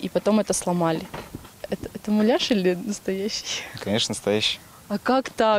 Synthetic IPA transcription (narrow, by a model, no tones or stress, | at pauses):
ipɐt̪o̞mɛt̪əslˠɐmalʲɪɛt̪əɛt̪əmʊlʲaʂɨlʲɪnəst̪ɐjæɕːɪjkɐnʲeʂnənəst̪ɐjæɕːɪj | ɐkakt̪a